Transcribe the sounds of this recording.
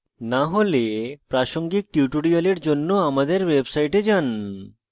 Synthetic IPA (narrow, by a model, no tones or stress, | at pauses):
naɦolepɾaʃoŋɡik̚ʈjuʈoɽioleɾd͡ʑonːoamad̪eɾwebsajʈed͡ʑan